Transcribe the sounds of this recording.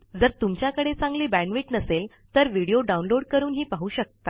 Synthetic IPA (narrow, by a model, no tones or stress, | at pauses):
d͡zəɾt̪umt͡ɕjakəɽet͡sãŋɡliːbæ̃ɳʋiːʈnəsel | t̪əɾʋiɽijoɖaunloɽkəɾuːnɦiːpaɦuːɕək̚t̪a